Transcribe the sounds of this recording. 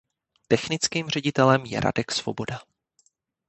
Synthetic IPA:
t̪ɛxnɪt͡skiːmr̝ɛɟɪt̪ɛlɛmjɛ̰ɾa̰dɛksv̥o̞bo̞da

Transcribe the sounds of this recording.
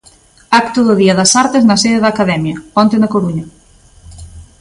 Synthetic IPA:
akt̪oðoðiɐðɐsaɾt̪eznɐseðeðakaðɛmjɐpɔnt̪enɐkoɾuɲɐ

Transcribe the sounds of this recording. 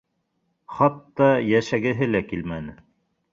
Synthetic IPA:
χɑt̪ːɑjæʃæɡɘ̆ɦɘlækilmænɘ

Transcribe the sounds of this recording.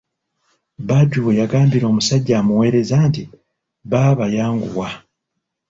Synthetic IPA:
baɟuwejaɡaːmbiɾo̞ːmusaɟːamuwe̞ːɾe̞zaːnti | βaβajaːŋɡṵwa

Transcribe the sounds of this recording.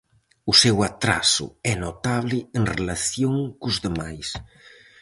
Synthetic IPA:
ʊsewat̪ɾa̰sʊ̰ɛnot̪aβlɪeŋrelaθjoŋkʊzðemajs

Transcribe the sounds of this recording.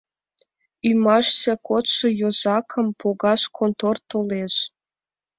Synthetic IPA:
ymɑʃt͡ɕɑkot̪ʃɤ̆jozɑkʰɤ̆mpʰoɣɑʃkʰont̪ort̪oleʃ

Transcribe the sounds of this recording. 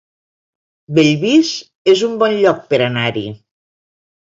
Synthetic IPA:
beʎβiz | ezumbɔnʎɔk̚peɾanaɾḭ

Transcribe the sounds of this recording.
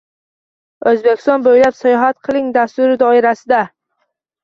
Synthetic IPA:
ɵzbekʲɪ̥st̪ɒnbojlapsajɒɦat̪̚qʰɨlˠɪŋd̪ast̪ʊɾɪd̪ɒɪɾasɪd̪a

